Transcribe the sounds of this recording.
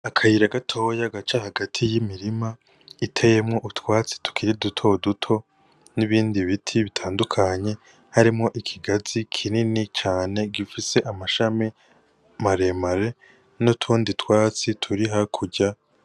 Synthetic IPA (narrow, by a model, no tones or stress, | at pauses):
akʰajiɾaɡatʰo̞ːjaɡat͡ʃahaɡatʰijimiɾima | itʰe̞je̞mŋo̞ʔutwaːt͡si̥tu̥kʰiɾidutʰo̞dutʰo̞ | niβiːndiβitʰiβitʰaːndukʰaɲe̞ | haɾimŋo̞ʔikʰiɡazikʰininit͡ʃaːne̞ɡifise̞ʔamaʃami | maɾe̞maɾe̞ | notʰuːnditwaːt͡sitʰuɾiɦakʰuɟa